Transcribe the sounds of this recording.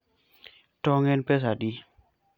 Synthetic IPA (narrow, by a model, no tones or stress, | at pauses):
tɔŋɛnpɛs̬adi